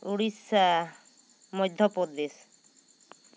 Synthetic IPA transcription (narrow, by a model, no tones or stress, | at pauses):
uɽisa | mɔjd̪ʱːɔpod̪es